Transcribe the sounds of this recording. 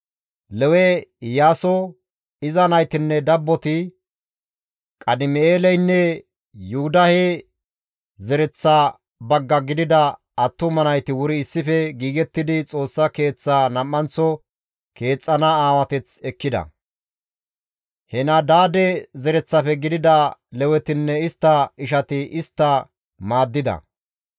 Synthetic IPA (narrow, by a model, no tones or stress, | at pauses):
lɛwɛjaːsɔ | ɪzɐnɐjt̪ɪnːɛd̪ɐbːɔt̪ɪ | kʼɐd̪ɪmeːlɛjnːɛ | jʊʊd̪ɐhe | zɛɾɛt͡sːa | bɐɡːɐɡɪd̪ɪd̪ɐ | ɐt̪ːʊmɐnɐjt̪ɪwʊɾɪːsːɪfɛɡiːɡɛt̪ːɪd̪ɪt͡sʼo̞ːsːɐke̞ːt͡sːaːnɐmːɐnt͡sːɔ | ke̞ːt͡sʼːɐnaaːwɐt̪ɛt͡sɛkːɪd̪ɐ̰ | hɛnɐd̪aːd̪ɛzɛɾɛt͡sːɐfɛɡɪd̪ɪd̪ɐlɛwɛt̪ɪnːɛɪst̪ːɐɪʃɐt̪ɪʔɪst̪ːɐ | maːd̪ːɪd̪ɐ̰